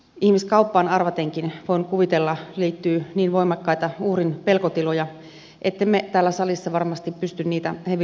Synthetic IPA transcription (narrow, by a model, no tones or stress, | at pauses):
ihmiskɑupːɑːnɑrʋɑt̪eŋkinʋoinkuʋit̪elːɑliːt̪ːyːniːnʋoimɑkːɑit̪ɑuhrinpelkot̪ilojɑ | ʔet̪ːemːet̪æːlːæsɑlisːɑʋɑrmɑst̪ippyst̪ynniːt̪æheʋ